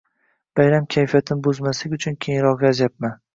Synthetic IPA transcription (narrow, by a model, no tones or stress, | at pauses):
b̥ajɾamkʲʰajfijat̪ʰɪnɪbozmaslɪɡʲʊt͡ʃʰʊnkʲʰejɪŋɾɒqɒzjap̚man